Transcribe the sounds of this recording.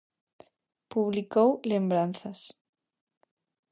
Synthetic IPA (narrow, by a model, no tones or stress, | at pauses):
puβlikowlembɾanθas